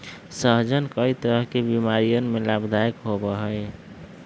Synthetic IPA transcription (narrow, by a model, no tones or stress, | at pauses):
səɦd͡ʒənkəit̪əɾəɦkebimaɾijənmelabd̪ʱajkɦobəɦəj